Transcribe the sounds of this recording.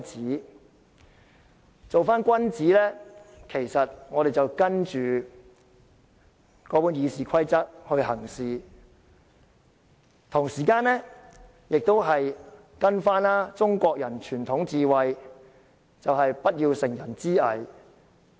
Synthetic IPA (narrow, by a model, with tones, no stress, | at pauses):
t͡siː˨˥ | t͡so˨wfaː˥nkʷɐ˥nt͡siː˨˥lɛː˥kʰe˨˩jsɐ˨t̚ŋɔː˨˧ɾe˨jt͡sɐ˨˩wkɐ˥nt͡ʃyː˨ | kɔː˨˥puː˨˥njiː˨˧siː˨kʰɐ˥jt͡sɐ˥t̚hɵ˧ɥɦɐ˨˩ŋsiː˨ | t̪ʰʊ˨˩ŋsiː˨˩kaː˧nlɛ˥ | jɪ˨k̚t̪o˥wɦɐ˨j | kɐ˥nfaː˥naː˥t͡sʊ˥ŋkʷɔː˧k̚jɐ˨˩nt͡ʃʰyː˨˩nt̪ʰʊ˨˥ŋt͡siː˨wɐ˨j | t͡sɐ˨wɦɐ˨jpɐ˥t̚jiː˧wsɪ˨˩ŋjɐ˨˩nt͡siː˥ɐ˨˩j